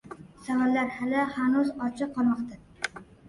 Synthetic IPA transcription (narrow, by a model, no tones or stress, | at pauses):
savallːaɾhalɪhanʊzɒt͡ʃʰɨqʰːɒlmɒqt̪a